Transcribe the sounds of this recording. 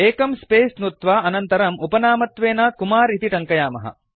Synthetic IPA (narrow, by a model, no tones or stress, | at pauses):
eːkɐmspeːsnut̪ʋaːɐnɐnt̪ɐɾɐmupɐnaːmɐt̪ʋeːnaːkumaːɾit̪iʈɐŋkɐjaːmɐ̰ɦɐ̰